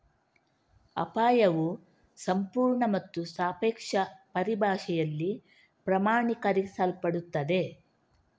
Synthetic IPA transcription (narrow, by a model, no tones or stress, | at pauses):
ɐ̰paːjɐʋu | sɐmpuːɾɳɐmɐt̪ːusaːpeːkʂɐpɐɾibʱaːʃɛjɐlːi | pɾɐmaːɳikɐɾisɐlpɐɽut̪ːɐd̪e̞